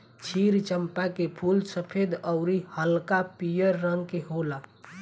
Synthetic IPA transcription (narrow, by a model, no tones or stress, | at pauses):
t͡ʃʰiɾt͡ʃəmpakepʰulsəpʰed̪əʊɾihəlkapijəɾːəŋkeɦola